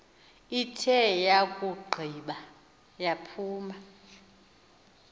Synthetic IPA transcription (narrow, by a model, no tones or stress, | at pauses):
itʰɛjakʼuɡ͡ǃʱiːɓa | japʰuːma